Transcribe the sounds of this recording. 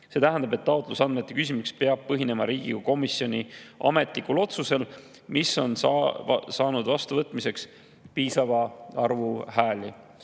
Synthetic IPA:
se̞t̪æɦænd̪ɑbe̞t̪ːɑot̪ˑlusɑnme̞t̪ːe̞kysʲimukspeɑb̥̚pɤɦine̞mɑɾiːɡ̥iɡɑko̞misio̞nʲiɑ̰me̞t̪likulo̞t̪suse̞l | misːo̞n | sɑːnud̪vɑst̪uvɤt̪ːˑmise̞ks | piːsɑvɑɑrvuɦæːli

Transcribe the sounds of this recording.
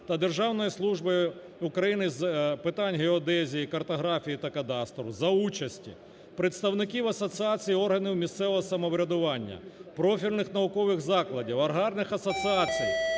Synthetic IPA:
t̪ɐd̪erʒɑwnɔjislˠuʒbɪ | ukɾɐjinɪzpɪt̪ɑnʲɦeɔd̪ɛzʲijikɐrt̪ɔɦɾɑfʲijit̪ɐkɐd̪ɑst̪ɾɔwzɐut͡ʃɐsʲtʲḭ | pɾɪt̪st̪ɐwnɪkʲiwɐsɔt̪sɨat͡sʲijiɔrɦɐniwmʲist̪sɛʋɔɦɔsɐmɔʋɾʲɐd̪ʊʋɑnʲːɐ̰pɾɔfʲilʲnɪxnɐʊkɔʋɪxzɑklˠɐdʲiwɐrɦɑrnɪxɐsɔt̪sɨat͡sʲij

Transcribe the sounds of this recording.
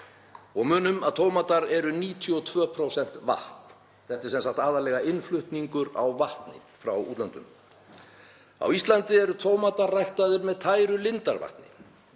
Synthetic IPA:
ɔɣmʏːnʏmaðt̪ʰoːwmat̪aɾɛɾʏniːt̪ʰjɔt̪ʰvœːpʰɾowsɛn̥t̪va̰ht̪nn̥ | θɛht̪ɪɾsɛnsakt̪aːðaɾlɛɣaɪnflʏht̪niŋkʏɾa̰wvaht̪nɪ̰ | fɾawṵːt̪lant̪ʏ̰m | a̰wist̪lant̪ɪɛɾʏt̪ʰoːwmat̪arːajht̪aðɪɾmɛðt̪ʰaːjɾʏlɪnt̪aɾva̰ht̪nɪ̰

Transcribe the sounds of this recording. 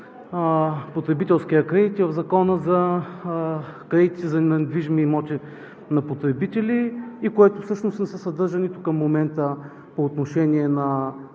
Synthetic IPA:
pot̪ɾɛbit̪ɛlˠskijəkɾɛd̪it̪ivɐvzɐkɔnəzɐ | kɾɛd̪it̪iizɐnɐd̪viʒmiːmɔt̪ɛ | nɐpot̪ɾɛbit̪ɛliːkoɛt̪ofsɤʃnost̪nɛsɛsɐd̪ɤɾʒənit̪ukɐmːomɛnt̪ə | poːt̪noʃɛniɛnɐ

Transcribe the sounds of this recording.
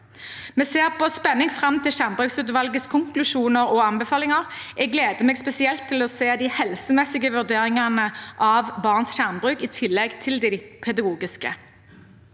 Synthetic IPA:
mɛːseːʁpɔspɛnːɪŋfʁɑmt̪ʰɪlʃæʁmbʁʉːksʉːt̪ʋɑlɡəskʰʊŋklʉʃuːnəʁɔɑmbɛfɑːlɪŋɑʁ | ʔɛɡleːd̪əmeːɡspɛsɪɛlt̪ʰːɪlɔseːd̪ɪhɛlsəmɛsɪɡəʋʉʁd̪eːʁɪŋɑnəʔɑʋbɑʁnsʃæʁmbʁʉːkɪt̪ʰɪlːɛɡt̪ʰɪld̪ipʰɛd̪ɑɡuːɡɪskə̰

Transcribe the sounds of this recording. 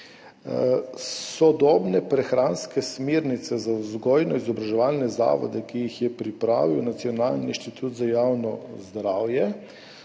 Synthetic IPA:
sɔd̪ɔbnɛpɾɛxɾaːnskɛsmeːɾnit̪sɛzawzɡɔːjnɔizɔbɾaʒɛʋaːlnɛza̰ːʋɔ̰d̪ɛkijixjɛpɾipɾa̰ːʋiwnat̪siɔnaːlniinʃt̪it̪ʰuːt̪zajawnɔ̰zd̪ɾaːwjɛ

